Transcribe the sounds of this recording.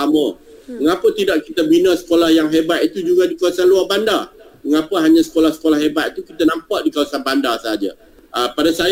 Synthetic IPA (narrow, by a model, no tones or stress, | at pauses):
amə | məŋapət̪idaʔkit̪əbinəsə̥kolahjaŋɦebat̪̚it̪ud͡ʒuɡadikawasanluarbandarməŋapəɦaɲãsə̥kolahsə̥kolahɦebat̪̚it̪ukit̪anãmpaʔdikawasanbandarsəɦad͡ʒa̰ | ʔəpadasa